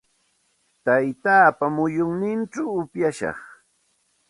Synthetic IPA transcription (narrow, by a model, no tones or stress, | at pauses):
t̪ajt̪aːpamʊjʊŋnɪnʈ͡ʂawʊpjaʃɑ̰χ